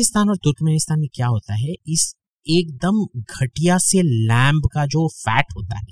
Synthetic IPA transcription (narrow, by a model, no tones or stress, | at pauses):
ɪst̪aːnɔːɾt̪ʊɾkmenɪst̪aːnmẽkjaːɦoːt̪aɦɛɪs | eːk̚d̪əmɡʱɐʈijaselɛ̃ːmbkad͡ʒoːfɛːʈɦoːt̪a̰ɦɛ̰ː